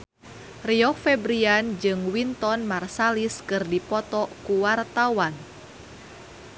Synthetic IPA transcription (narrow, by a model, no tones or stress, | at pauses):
riɔkfɛbɾiand͡ʒɨŋwint̪ɔnmarsaliskɨrdipɔt̪ɔkuwart̪awan